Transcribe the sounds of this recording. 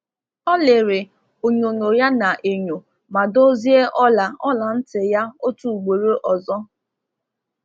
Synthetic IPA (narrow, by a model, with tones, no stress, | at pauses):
ɔ˦lɪ˨ɾɪ˨ | o˨ɲo˨ɲo˨ja˦na˨ʔe˨ɲo˨ | ma˨do˦zi˦e˦ʔɔ˦la˨ɔ˦la˨n̩˦tɪ˨ja˦o˦tu˨ɡ͡be˨ɾe˦ʔɔ˨zɔ˦